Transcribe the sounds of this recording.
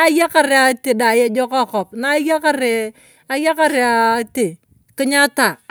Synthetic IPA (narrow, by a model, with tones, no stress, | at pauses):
a˦ja˦ka˨ɾe˨a˨te˨da˨je˦d͡ʒɔ˦ka˦˨kɔ˨p̚na˦ja˦ka˦ɾe˨ | a˨ja˦ka˦˨ɾe˨a˨te˨ | kɪ˦ɲa˦ta˨